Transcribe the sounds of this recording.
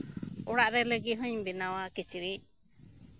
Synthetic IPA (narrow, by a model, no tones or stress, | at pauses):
ɔɽaʔɾɛlɛɡiɦũɲbinawakit͡ʃiɾi